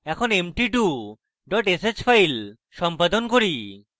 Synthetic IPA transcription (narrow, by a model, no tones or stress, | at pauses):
ɛkʰonemʈiʈu | ɖɔʈeset͡ɕfʰajl | ʃɔmpad̪onkoɾi